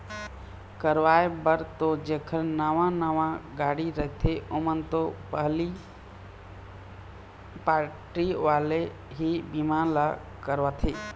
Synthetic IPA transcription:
kəɾʋaːjbəɾt̪od͡ʒeːkʰəɾnəʋãnəʋãɡaːɽiɾəɦt̪ʰeʔʊmənt̪opəɦli | paːɾʈiʋaːle | ɦibimaːnla | kəɾʋaːt̪ʰeː

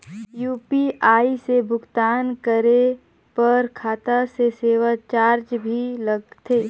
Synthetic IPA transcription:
juːpiʔaːisebʱʊɡt̪aːnkəɾe | pəɾkʰaːt̪aseseːʋat͡ʃaːɾd͡ʒbʱiləɡt̪ʰeː

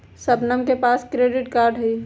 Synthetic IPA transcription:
səpnəmkepaːskɾeːɖɪʈkaːɾɖɦəi

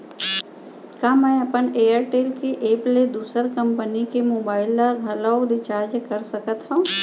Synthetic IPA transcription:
kamɛ̃ːɐpəneːjəɾʈeːlkeʔeːpled̪uːsəɾkɐ̃mpənikemoːbaːɪld̪aɡʱɐlaod̪ɪt͡ʃaːd͡ʒkəɾsɐkət̪ɦõ

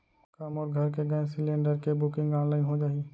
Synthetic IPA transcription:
kamɔːɾɡʱɐɾk̬eɡəẽsɪlẽːɳɖəɾkebʊkɪ̃ŋɡãːnlaːɪnɦod͡ʒaːi

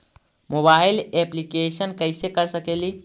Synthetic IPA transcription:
mobaileplikesənkəɪsekəɾsəkeli

